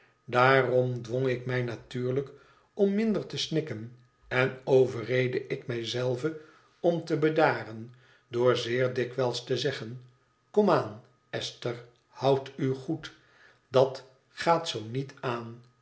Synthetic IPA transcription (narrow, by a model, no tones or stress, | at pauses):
daːrɔmdʋɔŋɪkmɛjnatyːɹlək | ɔmːɪndəɹtəsnɪkən | ɛnowvərejdəʔɪkmɛjzɛlˠvə | ɔmtəbədaːrən | dʊːɹzɪːɹdɪkʋɛlˠstəzɛχən | kɔmaːn | ɛstəɹ | hʌwtyχut | dɑt | χaːtsownitaːn